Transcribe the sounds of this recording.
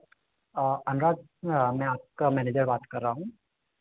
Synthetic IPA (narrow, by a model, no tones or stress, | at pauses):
ɐnɾaːd͡ʒ | mɛ̃aːp̚kamɛːneːd͡ʒəɾbaːt̪kɐɾːaːɦũː